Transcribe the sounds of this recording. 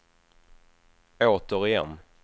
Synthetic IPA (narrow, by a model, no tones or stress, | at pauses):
oːt̪əɾɪjɛ̰nː